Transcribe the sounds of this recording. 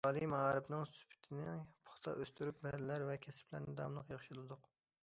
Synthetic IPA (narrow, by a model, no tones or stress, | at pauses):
ɑlˠimɑʁɑɾɨbnɨŋsy̥pʰɪ̥t̪ʰɪnɪpʰʊ̥χt̪ʰɑ̰ʔøst̪yɾyp̚bɛhlɪlæɾvɛkʲʰɛsɪ̥plæ̰ɾnɪd̪ɑ̰mlˠəqjɑχʃilɨd̪ʊq